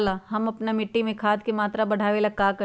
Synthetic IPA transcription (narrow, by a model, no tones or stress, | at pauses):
laɦɐmɐpnamɪʈːimẽkʰaːd̪kemaːt̪ɾabɐɽ̤ʱaːʋeːlakaːkɐ